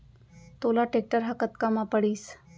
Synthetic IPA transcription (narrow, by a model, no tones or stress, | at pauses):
t̪olaʈek̚ʈəɾɦakət̪kamapəɽiːs